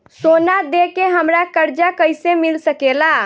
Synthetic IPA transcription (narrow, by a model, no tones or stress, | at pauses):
sonad̪ekeɦəmɾakəɾd͡ʒakəjsemilsəkela